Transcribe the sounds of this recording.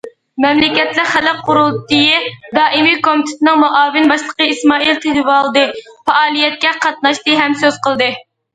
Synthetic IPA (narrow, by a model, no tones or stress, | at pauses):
mɛmlɪkʲɛt̪lɪχælɛp̚qʰʊɾulˠt̪ijid̪ɑːʔimikomit̪ʰɪ̥t̪ʰɪnɨŋmuʔɑːvɪnbɑʃlˠəqəismɑːilt̪ʰelɪvɑlˠd̪ɨfɑʔɑːlˠijɛt̪̚kʲɛqʰɑt̪̚nɑʃt̪ɨɦɛmsøz̥qəlˠd̪ɨ